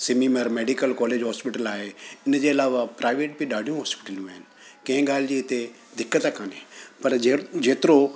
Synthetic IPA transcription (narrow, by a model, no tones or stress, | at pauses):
sɪmiməɾmeːɖikəlkɔːleːd͡ʒɦɔːspɪʈəlaːɦeɪnd͡ʑeɐlaːʋapɾaːɪʋeːʈ̚biɗaːɽijũɦaːspɪ̥ʈəljũaːɦɪnɪ | kẽɡaːld͡ʑiɪt̪e | d̪ɪkːət̪akʰaːnepɐɾd͡ʒeːt̪ɪɾo